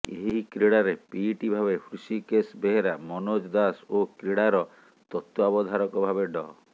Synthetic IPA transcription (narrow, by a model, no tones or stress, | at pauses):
eɦɦikɾeɽaɾepiʈibʱaβepʰɾusikesbeɦeɾamɔnod͡ʒd̪asokɾeɽaɾɔ | t̪ɔt̪wɔabɔd̪ʱaɾɔkɔbʱabeɖɔ